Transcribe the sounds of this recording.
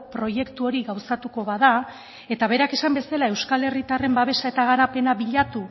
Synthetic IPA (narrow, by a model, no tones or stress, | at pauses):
pɾo̞je̞kt̪uo̞ɾiɣawsat̪uko̞βaða | e̞t̪aβ̞e̞ɾake̞sambe̞salae̞wskale̞rit̪are̞mbaβe̞sae̞t̪aɣaɾape̞naβiʎat̪u